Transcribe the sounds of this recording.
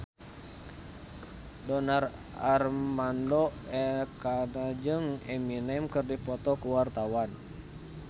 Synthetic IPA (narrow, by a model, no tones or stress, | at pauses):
dɔnar | armandɔ | ɛkanad͡ʒɨŋɛminɛmkɨrdipɔt̪ɔkuwart̪awan